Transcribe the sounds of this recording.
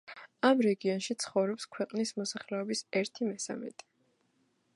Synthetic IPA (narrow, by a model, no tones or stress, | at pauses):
amɾɛɡiɔnʃit̪sʰχɔvɾɔpskʰwɛqʼnismɔsaχlɛɔbisɛɾt̪ʰimɛsa̰mɛ̰t̪ʼi̥